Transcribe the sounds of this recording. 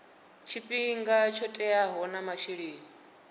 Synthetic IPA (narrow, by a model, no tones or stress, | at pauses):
t͡ʃʰipʼiŋɡat͡ʃʰɔtʼɛaɦɔnamaʃiɺiːŋi